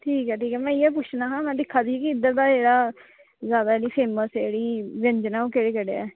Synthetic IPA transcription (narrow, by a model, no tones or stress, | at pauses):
ʈʰiːkɛːʈiːkɛːmɛ̃ːɪjɛːpʊt͡ʃʰnaːɦãːmɛ̃ːd̪ɪkʰːaːd̪iːkiɪd̪əɾd̪aːd͡ʒeːɽaː | zjaːd̪aːliːpʰeːməseːɽiːʋɪnd͡ʒnãːoːkeːɽeːkəɽḛːɛ̰ː